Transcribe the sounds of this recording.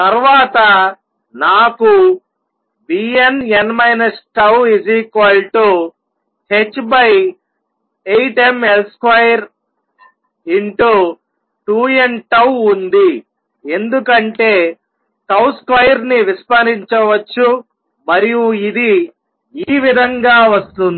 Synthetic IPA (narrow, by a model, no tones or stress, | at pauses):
t̪ɐɾʋaːt̪ɐ | naːku | biːenenmɐjnɐsʈɐwid͡ʒikʋɐlʈu | he̞t͡ʃːbɐj | ejʈe̞me̞lskʋɐjɐɾ | iɳʈu | ʈuːenʈɐwund̪i | e̞nd̪ukɐɳʈe̞ː | ʈɐwskɐjɐɾniʋispɐɾiɲt͡ʃɐʋɐt͡ʃːu | mɐɾijuid̪i | iːʋid̪ʱɐŋɡaːʋɐst̪und̪i